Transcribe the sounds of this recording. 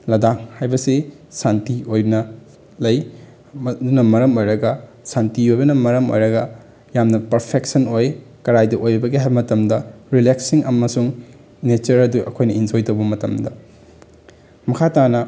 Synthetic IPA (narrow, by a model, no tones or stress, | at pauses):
lɐdaŋhajbɐsi | santiojbnɐ | lɐj | dunɐmɐɾɐmojɾɐɡɐsantiojbɐnɐmɐɾɐmo̰jɾɐɡɐ | jamnɐpɐɾpʰek̚sɐnoj | kɐɾajdɐʔojɐbɐɡiɦajbɐmɐtɐmdɐɾileksiŋɐmɐsuŋ | net͡ʃɐɾɐduɐ̰kʰojnɐind͡ʒojtɐwbɐmɐtɐmdɐ | mɐkʰatanɐ